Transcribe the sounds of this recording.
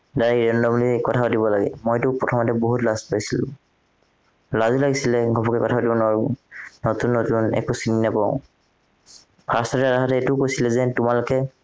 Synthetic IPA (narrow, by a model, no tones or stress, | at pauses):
daɹiɹɛndɔmulikɔtʰaɔtibɔlaɡɛ̰mojtʊpɹɔtʰɔmatɛboɦutlazpaɹisilʊ̰̃ | lazulaɡisilɛɡʱɔpɔkɛkɔtʰaotĩnɔɹnotunːotunɛ̰kusinːapaʊ̰̃ | pʰasɔtɛɹaɦatɛetʊkojsilɛzɛtʊmalʊkɛ